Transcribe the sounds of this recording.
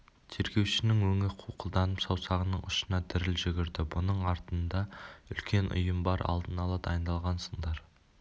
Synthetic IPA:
t̪ʰe̞ɾɡʲe̞wʃɪnɪŋwɵŋɪqʰuqʰəlˠd̪ɑnəpsɑwsɑʁənəɴʊ̰ʃə̥nɑd̪ʰɪɾɪlʒɪɡʲɪɾd̪ɪbʊnəɴɑɾt̪ənd̪ɑʏ̰lkʲe̞nʔʊ̰jəmbɑɾʔɑ̰lˠd̪ənɑlˠɑd̪ɑjənd̪ɑlˠʁɑnsəɴd̪ɑɾ

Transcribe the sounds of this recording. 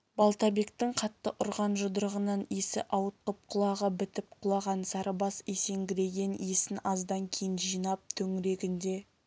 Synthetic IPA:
bɑlˠt̪ɑbe̞k̚t̪ɪɴqʰɑt̪ːəʔʊɾʁɑnʒʊd̪əɾəʁənɑnesɪ̰ʔɑwət̪̚qəp̚qʰʊlˠɑʁəbɪt̪ɪp̚qʰʊlˠɑʁɑnsɑɾəbɑsese̞ŋɡʲɪɾe̞ɡʲe̞nesɪnɑzd̪ɑŋkʲʰejɪnʒijnɑp̚t̪ʰɵŋɪɾe̞ɡʲɪnd̪e̞

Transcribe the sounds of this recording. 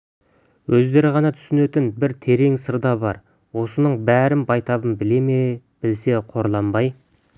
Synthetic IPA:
wɵzd̪e̞ɾɪʁɑnɑt̪ʰʏ̥sɪnet̪ɪnbɪɾt̪ʰe̞ɾe̞ŋsəɾd̪ɑbɑɾ | wo̞sənəɴbæɾɪnbɑjt̪ɑbənbɪle̞me | b̥ɪlse̞qʰo̞ɾlˠɑmbɑj

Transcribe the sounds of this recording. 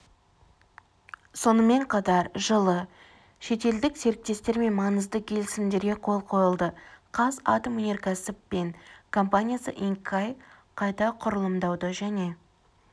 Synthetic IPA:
so̞nəme̞ɴqʰɑt̪ɑɾʒəlˠə | ʃe̞t̪e̞ld̪ɪkse̞ɾɪk̚t̪e̞st̪e̞ɾme̞nmɑnəzd̪əkʲʰe̞lɪsɪmd̪e̞ɾɡʲe̞qʰo̞lˠqʰo̞jəlˠd̪əqʰɑza̰t̪omune̞ɾkasɪppe̞ŋkʰo̞mpanʲijasə̰ʔiŋkʰːaj | qʰɑjt̪ɑqʰʊɾəlˠəmd̪ɑwd̪əʒæne̞

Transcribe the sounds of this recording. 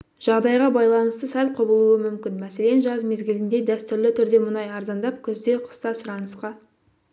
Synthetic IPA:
ʒ̥ɑʁd̪ɑjʁɑbɑjlˠɑnəst̪əsælqʰo̞bəlˠuwəmʏmkʲɪnmæse̞le̞nʒɑzme̞zɡʲɪlɪnd̪e̞d̪æst̪ʏɾlɪt̪ʰʏɾd̪e̞mʊnɑjɑɾzɑnd̪ɑp̚kʲʰʏzd̪e̞qʰə̥st̪ɑsʊɾɑnəsqɑ

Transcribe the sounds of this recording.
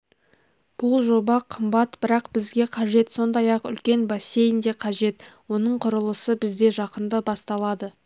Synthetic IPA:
b̥ʊlˠʒo̞bɑqʰəmbɑt̪b̥ɪɾɑqbɪzɡʲe̞qʰɑʒe̞t̪so̞nd̪ɑjɑqʏ̰lkʲe̞nbɑse̞jɪnd̪e̞qʰɑʒe̞t̪wo̞nəɴqʰʊɾəlˠəsəbɪzd̪e̞ʒɑqənd̪əbɑst̪ɑlˠɑd̪ə

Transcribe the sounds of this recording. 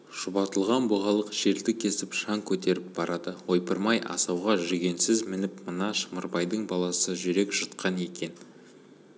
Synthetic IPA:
ʒ̥ʊbɑt̪əlˠʁɑnboʁɑlˠəqʒ̥e̞ɾd̪ɪkʲʰe̞sɪpʃɑŋkʲʰɵt̪e̞ɾɪp̚b̥ɑɾɑd̪əwo̞jpəɾmɑjʔɑ̰sɑwʁɑʒʏɡʲe̞nsɪzmɪnɪpmənɑʃməɾbɑjd̪əɴbɑlˠɑsəʒʏɾe̞kʒ̥ət̪qʰɑne̞kʲe̞n

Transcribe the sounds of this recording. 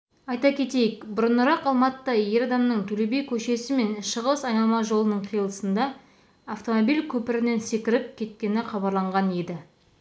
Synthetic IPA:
ɑjt̪ɑkʲʰe̞t̪e̞jɪkbʊɾənʊɾɑqɑlˠmɑt̪əɑje̞ɾɑd̪ɑmnəɴt̪ʰɵlebe̞jkʲʰɵʃe̞sɪme̞nʃəʁəsɑjnɑlˠmɑʒo̞lˠənəɴqʰijəlˠəsənd̪ɑː | ft̪o̞mobijlkʲʰɵpɪɾɪne̞nse̞kʲɪɾɪp̚kʲʰe̞t̪̚kʲe̞nɪχɑbɑɾlˠɑɴʁɑne̞d̪ɪ

